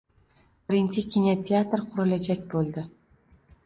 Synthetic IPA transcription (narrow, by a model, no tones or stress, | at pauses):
b̥ɪɾɪnt͡ʃɪkʲinʲat̪ʲʰeat̪ɾqʰʊɾɪlad͡ʒakʲbolˠd̪ɪ